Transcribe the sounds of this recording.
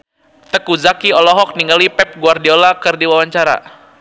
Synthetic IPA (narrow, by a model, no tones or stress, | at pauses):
t̪əkuzakiɔlɔɦɔk̚niŋɡalipɛp̚ɡuardiolakɨrdiwawaɲt͡ʃaɾa̰